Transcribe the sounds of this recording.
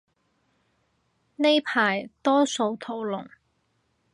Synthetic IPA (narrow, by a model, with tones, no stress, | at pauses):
ne˥jpʰaː˨˩jt̪ɔː˥so˧wt̪ʰo˧wlʊ˨˩ŋ